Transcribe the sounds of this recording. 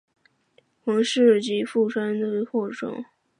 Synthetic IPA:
xɤ˧˥ŋʂɻ̩˥˩t͡ɕi˧˥fu˥˩ʈ͡ʂʰwa˥nd̪ə˧˥xwɔ˥˩ʈ͡ʂʰɤ̰˧˥˦ŋ

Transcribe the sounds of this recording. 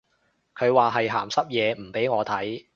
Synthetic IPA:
kʰɵ˨˧ɥwaː˨˩ɦɐ˨jɦa̰ː˨˩msɐ˥p̚jɛː˨˧m̩˨˩pe˨˥jŋɔː˨˧t̪ʰɐ˨˥j

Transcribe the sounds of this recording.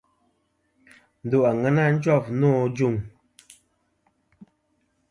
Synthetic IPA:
n̩˨du˦˨a˨ŋɛ˦na˦n̩˦d͡ʒɔ˦˨pnɔ˦˨d͡ʒu˦˨ŋ

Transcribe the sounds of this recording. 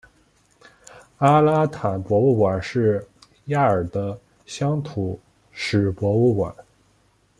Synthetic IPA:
a˥la˥t̪ʰa˨˩˦npwɔ˧˥u˥˩kwa˨˩nʂɻ̩˥˩ | ja˥˩ə˞˨˩d̪ə˦ | ɕjɑ˥ŋt̪ʰu˨˩ | ʂɻ̩˨˩pwɔ˧˥u˥˩kwa̰˨˩˦n

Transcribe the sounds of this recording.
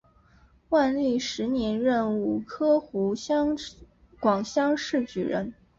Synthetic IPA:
wa˥˧nli˥˩ʂɻ̩˧˥njɛ˧˥nɻə˥˧nu˨˩kʰɤ˥xu˧˥ɕɑ˥ŋ | kwɑ˨˩ŋɕjɑ˥ŋʂɻ̩˥˩t͡ɕy̰˨˩ɻə̰˧˥n

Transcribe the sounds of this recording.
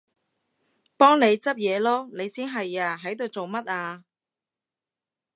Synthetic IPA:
pɔː˥ŋne˨˧jt͡sɐ˥p̚jɛː˨˧lɔː˥ne˨˧jsiː˥nɦɐ˨jaː˧ɦɐ˨˥jt̪o˨wt͡so˨wmɐ˥t̚aː˧

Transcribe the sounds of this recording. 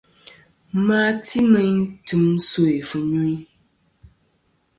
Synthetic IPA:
ma˦ti˦mɛ˦n˦tɨ˦mso˦e˨fɨ˨ɲu˦i˦

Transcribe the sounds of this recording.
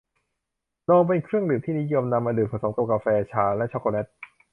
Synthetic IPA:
nɔː˧ŋp̬e˧nkʰɾɯ˥˩əŋdɯː˨˩˦mt̪ʰiː˥˩ni˦˥jo˧mna˧mːaː˧dɯː˨˩˧so˩˦ŋka˧˩kaː˧fɛː˧t͡ɕʰaː˧wlɛ˦˥ʔt͡ɕʰo˦˥koː˧lɛ˦˥t̪̚

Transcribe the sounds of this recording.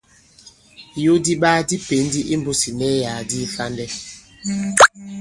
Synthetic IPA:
jo˦di˦ɓaː˦di˦pe˨˦n˦di˦ʔi˦m˦bo˦si˨nɛ˦ja˨di˦fa˦ndɛ˦

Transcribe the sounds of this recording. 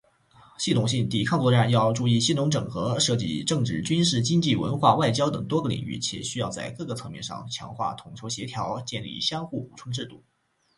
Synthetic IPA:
ɕi˥˩t̪ʰʊ˨˩ŋɕi˥˩ŋt̪i˨˩kʰɑ˥˧ŋt͡swɔ˥˧ʈ͡ʂa˥˧njɑ˥˧ʊʈ͡ʂu˥˧i˥˩ɕi˥˩nʊ˧˥ŋʈ͡ʂɤ̰˨˩ŋxɤ˧˥ʂɤ˥˧t͡ɕḭ˥˧ʈ͡ʂɤ˥˧ŋʈ͡ʂɻ̩˥˩t͡ɕy˥nʂɻ̩˥˩t͡ɕi˥ŋt͡ɕi˥˩wə̰˧˥nxwa˥˧wa˥˩ɪt͡ɕjɑ˥ʊt̪ɤ̰˨˩ŋt̪wɔ˥ɡə˨lḭ˨˩ŋy̰˥˩t͡ɕʰjɛ̰˨˩ɕy˥jɑ˥˧ʊt͡sa˥˧ɪkɤ˥˩ɡə˨˩t͡sʰɤ˧˥ŋmjɛ˥˧nʂɑ̰˥˩ŋt͡ɕʰjɑ̰˧˥ŋxwa̰˥˩t̪ʰʊ˨˩ŋt͡ɕʰjo˧˥ʊɕjɛ˧˥t̪ʰjɑ˧˥ʊt͡ɕjɛ˥˧nlḭ˥˩ɕjɑ˥ŋxu˥˩ṵ˨˩ʈ͡ʂʰwə˥nʈ͡ʂɻ̩˥˧t̪u˥˩

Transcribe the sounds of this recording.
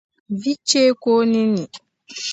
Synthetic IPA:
vi˦t͡ʃe˦ko˦ni˦ni˨

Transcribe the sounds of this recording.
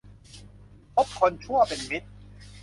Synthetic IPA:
pʰo˦˥p̚kʰɔ˧nt͡ɕʰu˥˩ɐpe˨nmi˦˥t̪̚

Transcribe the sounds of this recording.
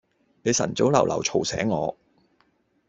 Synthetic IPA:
ne˨˧jsɐ̰˨˩nt͡so˨˥wlɐ˨˩wlɐ̰˨˩wt͡ʃʰo˨˩wsɛ̰ː˨˥ŋːɔ̰ː˨˧

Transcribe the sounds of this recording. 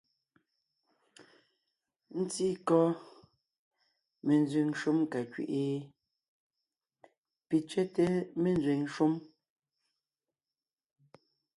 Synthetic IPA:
n̩˦ti˦kɔ˦ | me˨n˦zi˨ŋʃu˦mka˨kɥḭ˨ʔe˦ | pi˨t͡ʃɛ˦te˦me˨nzwe˨ŋʃu˦m

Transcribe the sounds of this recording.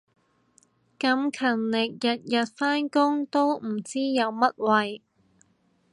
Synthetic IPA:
kɐ˨˧mkʰɐ˨˩nlɪ˨k̚jɐ˨t̚jɐ˨t̚faː˥nkʊ˥ŋt̪o˥wm̩˨˩t͡siː˥jɐ˨˧wmɐ˥t̚wɐ˨j

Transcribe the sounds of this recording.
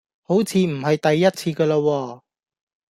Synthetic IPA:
ho˨˥wt͡sʰiː˨˧m̩˨˩ɦɐ˨jt̪ɐ˨jːɐ˥t̚t͡sʰiː˧kəː˧laː˧wɔː˧

